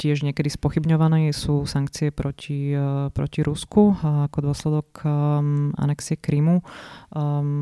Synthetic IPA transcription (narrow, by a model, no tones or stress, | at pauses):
cɪɛʒɲɛkɛd̪ispɔxibɲɔʋanɛːsuːsaŋk̚t͡siɛpɾɔcʰipɾɔ̰ciɾʔuskuakɔd̪ʊɔslɛd̪ɔk | ʔa̰nɛksiɛkɾimu